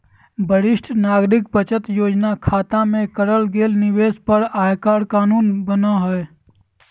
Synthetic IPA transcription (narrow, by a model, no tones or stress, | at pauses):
bəɽɪʃʈʰnaːɡɾɪk̚bət͡ʃət̪joːd͡ʒnakʰaːt̪amẽkəɾəlɡeːlnɪweːspəɾaːjkaːɾkaːnuːnbənaɦɛe